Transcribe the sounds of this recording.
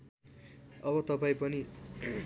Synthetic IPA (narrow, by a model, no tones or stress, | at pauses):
ʌbʌt̪ʌpaĩpʌni